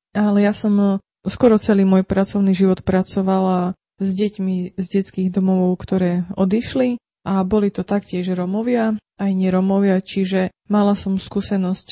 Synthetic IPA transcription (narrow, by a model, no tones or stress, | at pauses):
alɛjasɔm | skɔɾɔt͡sɛliːmʊɔjpɾat͡sɔʊniʒiʋɔt̪pɾat͡sɔʋala | zɟɛcmizɟɛt͡skiːɣd̪ɔmɔʋɔʊkt̪ɔɾɛːɔd̪iʃli | ʔabɔlit̪ɔt̪akcɪɛʒɾɔmɔʋɪa | ajɲɪɛɾɔmɔʋɪat͡ʃiʒɛ | malasɔmskuːsɛnɔsc